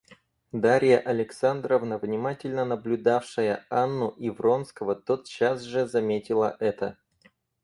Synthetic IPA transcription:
d̪aɾʲɪjəʔɐlʲɪksand̪rəvnəvnʲɪmatʲɪlʲnənəblʲʊd̪afʂəjəanːʊʔɪvro̞nskəvət̪o̞t̪ɕasʐɨzɐmʲetʲɪlˠə̰ʔɛt̪ə

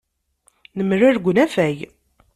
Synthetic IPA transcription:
nəmrɪɾɡʷnæfæj

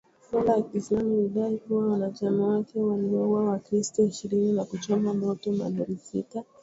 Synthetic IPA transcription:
salajakislamuliɗaikuwawanat͡ʃamawakɛwaliɔwawakɾistɔiʃiɾininakut͡ʃɔmamɔtɔma̰nɛɾisḭta

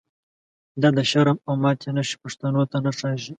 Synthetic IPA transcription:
d̪ɑd̪əʃaɾamawmɑːt̪ʰenaʃi̥paʂt̪anot̪anaʂɑːʒi

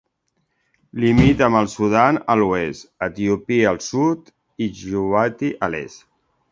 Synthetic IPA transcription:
limit̪əməlˠsuðanəluɛst̪ət̪iupiəlˠsut̪ | iʒuat̪iʔəlɛ̰s

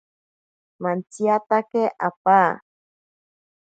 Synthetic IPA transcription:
mãntiat̪akeʔa̰pa

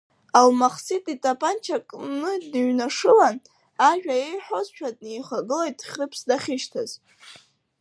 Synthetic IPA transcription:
almaχsitʼitʼapʰʼant͡ʃʰakʼnɨdnɥnaʂɨlan | aʒᶣaejħʷᶣozʃᶣʰadnejχaɡɨlejtʼχʲrɨpʰsdaχʲɪʃtʰaz̥

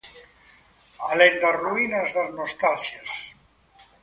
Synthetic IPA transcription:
alend̪azruinazðaznost̪alsjas

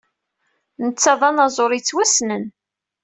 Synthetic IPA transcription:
nət͡sːɑðˤɑnɑzˤoɾˤit͡sːwæsnən

